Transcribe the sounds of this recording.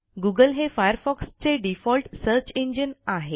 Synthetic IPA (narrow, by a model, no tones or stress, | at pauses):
ɡuɡəlɦefajəɾfɔkst͡seɖifɔlʈsəɾt͡ɕeɲd͡ʑənaɦe